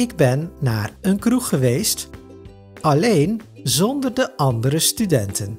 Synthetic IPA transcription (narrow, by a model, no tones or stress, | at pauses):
ɪɡ̚bɛnːaːɹənkruχəʋejst | ɑlejnzɔndərdəʔɑndəɾəstydɛntən